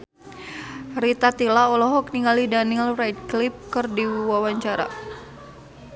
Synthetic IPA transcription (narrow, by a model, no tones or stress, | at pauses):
rit̪at̪ilaɔlɔɦɔk̚niŋɡalidanilrajd̚klip̚kɨrdiwawaɲt͡ʃaɾa̰